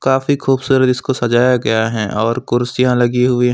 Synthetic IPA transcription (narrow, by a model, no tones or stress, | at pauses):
kaːfixuːbsuːɾət̪ɪskosɐd͡ʒaːjaɡɐjaɦɛ̃ʔɔːɾkʊɾsijãlɐɡiɦʊiɦ